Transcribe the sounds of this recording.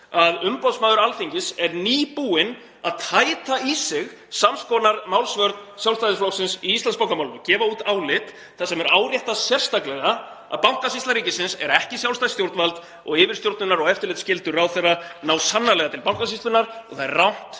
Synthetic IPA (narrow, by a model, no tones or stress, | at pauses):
aðʏmpaw̪smaːðʏɾalfiɲcɪsɛɾniːpuːɪn | aðt̪ʰaːjt̪aisɪɣ | samskɔnaɾmawlsvœɾt̪nsjawlst̪ajðɪsflowsɪnsiist̪anspawkamawlʏcɛːvauːt̪awlɪt̪ | θasɛmɛɾaːwɾjɛht̪asjɛr̥st̪aklɛɣa | a̰ðpawŋ̥kasist̪aɾiːcɪsɪnsɛ̰ɾɛhcɪsjawlst̪ajst̪jowɾt̪nvalt̪ | ɔɣɪːvɪɾ̥st̪jowɾt̪nʏnaɾɔɣɛft̪ɪɾlɪt̪scɪlt̪ʏɾawθɛrːanawsanːalɛɣat̪ʰɪlpawŋ̥kasist̪lʏnaɾ̥ɔ̰ɣθaðɛ̰rːawn̥t̪